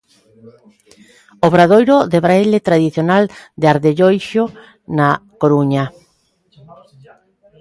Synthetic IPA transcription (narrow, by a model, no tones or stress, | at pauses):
oβɾaðojɾoðeβɾaelet̪ɾaðiθjonald̪eaɾðeʎojʃo | nakoɾuɲa